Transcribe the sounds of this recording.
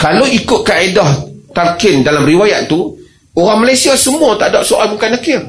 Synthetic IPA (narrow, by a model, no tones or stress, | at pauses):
kalowikʊt̪̚kaedɔht̪alkɪndalamriwajaʔ̪̚t̪u | oɾaŋmalajsiasəmũat̪a̰daʔ̚soʔajbuŋkanakɪr